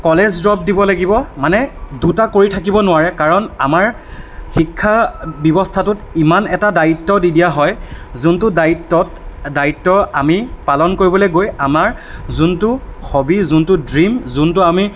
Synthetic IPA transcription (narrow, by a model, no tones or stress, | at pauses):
kɔlezdɹɔb̚dibɔlaɡibɔmanɛdutakoɹitʰakibɔnʊwaɹɛkaɹɔnamaɹ | xikʰːabɔbɔstʰatʊtimanɛtadaitːɔdidijaɦɔjzuntʊdaitːɔtdaitːɔamipalɔnkoɹibɔloɡojamaɹzuntʊxobizuntʊdɹimzuntʊami